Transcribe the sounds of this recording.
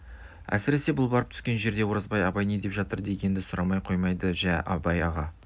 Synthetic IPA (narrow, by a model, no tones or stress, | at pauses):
æ̰sɪɾe̞se̞bʊlˠbɑɾəp̚t̪ʰʏ̥skʲe̞nʒe̞ɾd̪e̞woɾəzbɑjɑbɑjned̪e̞pʒɑt̪əɾd̪e̞ɡʲe̞nd̪ɪsʊɾɑmɑjqʰo̞jmɑjd̪əʒæʔɑbɑjɑʁɑ